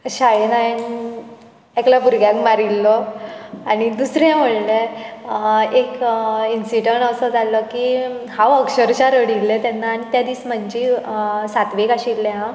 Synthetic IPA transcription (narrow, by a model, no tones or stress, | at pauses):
ɕajenaen | eklapuɾɡjãkmaɾilːɔ | aɽ̃id̪usɾẽm̤əɭle | ekinsiʈəɳʈəsəd͡zalːɔkihãʋəkɕəɾt͡ɕaɾəɽilːẽt̪janːaːñit̪jad̪iːsm̤əɲd͡ʑiːsat̪ʋekaɕilːẽɦã